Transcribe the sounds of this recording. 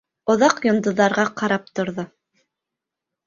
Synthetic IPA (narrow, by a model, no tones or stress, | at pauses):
ŏðɑqjŏnd̪ŏðːɑɾʁɑqɑɾɑp̚t̪ŏɾðo